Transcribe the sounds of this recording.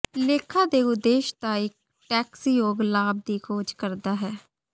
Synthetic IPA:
leːkʰãːd̪eːʊd̪ːeːʃt̪aːɪk̚ | ʈɛːksijoːɡlaːb̚d̪iːkʰoːd͡ʒkəɾd̪aːɦɛː

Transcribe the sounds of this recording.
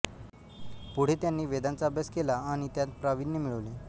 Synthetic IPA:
puɽ̤et̪janːiːʋed̪ant͡sabjaskelaːɽ̃it̪jat̪̚pɾaʋinːemiɭəʋle

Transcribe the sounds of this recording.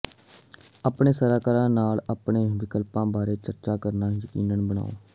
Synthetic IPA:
aːpɳeːsəɾaːkəɾãːnaːlaːpɳeːʋɪkəlpãːbaːɾeːt͡ʃəɾt͡ʃaːkəɾnaːjəkiːnənbəɽ̃a̰ːo̰ː

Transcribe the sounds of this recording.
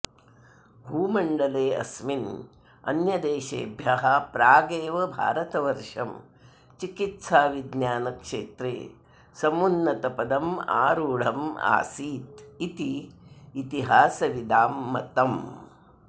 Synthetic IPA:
bʱuːmɐɳɖɐleːɐ̰smin | ɐ̰njɐd̪eːʃḛːbʱjɐɦɐpɾaːɡeːʋɐbʱa̰ːɾɐt̪ɐʋɐɾʂɐm | t͡ʃikit̪saːʋid̪naːnɐkʂeːt̪ɾḛː | sɐmunːɐt̪ɐpɐd̪ɐma̰ːɾuːɽ̤ɐma̰ːsiːt̪it̪iː | t̪iɦaːsɐʋid̪aːmːɐt̪ɐm

